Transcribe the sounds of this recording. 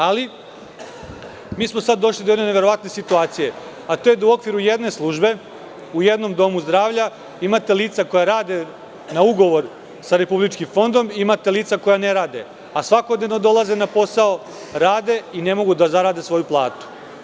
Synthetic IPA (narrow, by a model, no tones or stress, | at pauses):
ali | miːsmosad̪ːo̞ʃlid̪o̞eneneʋe̞ɾo̞ʋat̪ne̞sit̪uaːt̪sije̞ | at̪o̞jed̪auo̞kʋiɾuje̞d̪ne̞slˠuːʒbe̞ | uje̞d̪no̞md̪o̞muzd̪ɾaːʋʎa | imat̪e̞liːt̪sako̞jaɾaːd̪e̞ | nauɡo̞ʋo̞ɾ | saɾe̞publit͡ʃkimfo̞nd̪o̞mimat̪e̞liːt̪sako̞janeɾaːd̪e̞̰ | asʋako̞d̪nevnod̪o̞lˠazenapo̞sao | ɾaːd̪e̞ine̞mo̞ɡud̪azaɾaːd̪e̞sʋo̞juplˠa̰ːt̪u̥